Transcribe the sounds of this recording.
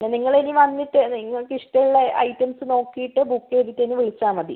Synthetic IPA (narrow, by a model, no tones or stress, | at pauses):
neniŋːɐɭeniʋɐnːitːɨniŋːɐɭkiʂʈɐjɭːeʔɐ̰jtɐmsɨno̞ːkːijiʈːɨbukːeːðitːeniʋiɭit͡ɕːaːmɐðḭ